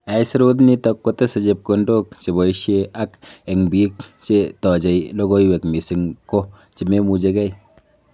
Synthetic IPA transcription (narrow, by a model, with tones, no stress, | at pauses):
a˨i˦si˦ɾo˦t̬ni˦tɔ˧kːo˦te˦se˨d͡ʒe˨p̚ko˨ndo˦k̚t͡ʃe˨bɔ˨i˦ʃe˦ʔa˦ke˨ŋbi˦k̚t͡ʃe˦tɔ˨d͡ʒe˨jlo˦ɡo˦i˦we˨kmi˨sɪ˨˦ŋko˦ | t͡ʃi˨me˦mu˨d͡ʒe˦kɛ˦j